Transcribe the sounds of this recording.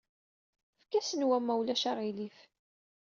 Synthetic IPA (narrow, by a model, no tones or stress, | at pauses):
fkæsənwæmːæwlæʃaʁilif